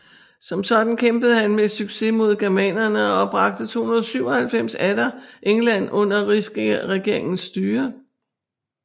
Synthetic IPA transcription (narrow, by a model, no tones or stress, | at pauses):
sɒ̽msɒ̽d̥n̩kʰemb̥əð̞̩ˠhænmesyɡ̥se̝mo̝ð̞̰ˠɡ̥æɐmɛ̰nɐnəɒɒ̽b̥ʁɑ̈ɡ̥̚d̥ət͡sʰo̝̰ːhunɐðˠsyʊɒ̽hælfem̰sæd̥ɐʔeŋlæn̰ʔɔ̽n̰ɐʁisɡ̥ʁɛɡ̥e̝ɐ̰eŋn̩sːd̥yːɐ